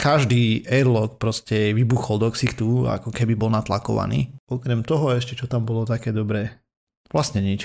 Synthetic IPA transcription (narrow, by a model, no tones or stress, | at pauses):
kaʒd̪iːɛɾlɔkpɾɔscɛʋibuxɔld̪ɔksixt̪ua̰kɔkɛbibɔlnat̪lakɔ̰ʋa̰nḭːɔkɾɛmt̪ɔɦɔɛʃcɛt͡ʃɔt̪ambɔlɔt̪akɛːd̪ɔbɾɛː | ʋlasɲɛɲit͡ʃ